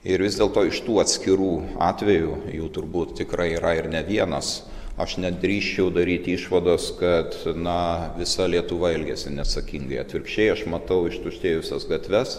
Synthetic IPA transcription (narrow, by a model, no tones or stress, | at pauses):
ɪɾʋʲɪzd̪ʲeːlˠt̪oːɪʃt̪uːɐt̪ʲsʲkʲɪɾuːɑːt̪ʲʋʲɛjuːjuːt̪ʊrbuːt̪t̪ʲɪkɾɐɪiːɾɐɪɾnʲɛʋʲiɛnɐs | ɐ̰ʃnʲɛd̪ʲɾʲiːʃʲt͡ʃʲɛʊd̪ɐɾʲiːt̪ʲiːʃʋɐd̪oːskɐt̪nɐʋʲɪsɐlʲiɛt̪ʊʋɐɪlʲɡʲɛsʲɪnʲɛsɐkʲiŋɡɐɪɐ̰t̪ʲʋʲɪrkʃʲt͡ʃʲɛɪɐʃmɐt̪ɐʊɪʃt̪ʊʃʲt̪ʲeːjʊsʲɛsɡɐt̪ʲʋʲɛs